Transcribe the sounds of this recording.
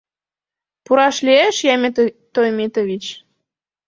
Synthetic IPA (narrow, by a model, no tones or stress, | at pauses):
puɾɑʃlieʃjɑmet̪ojmet̪oβit͡ɕ